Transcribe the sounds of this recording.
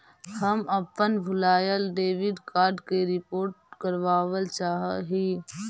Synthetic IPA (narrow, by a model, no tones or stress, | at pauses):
həmɐpːənbʱʊlaːjəlɖeːʋɪɖkaːɾɖkeɾɪpoːɾʈ̚kəɾʋaːʋəlt͡ʃaːɦɦiː